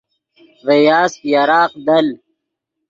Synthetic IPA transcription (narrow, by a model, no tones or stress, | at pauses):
vejaːstjaɾaːqd̪ɐl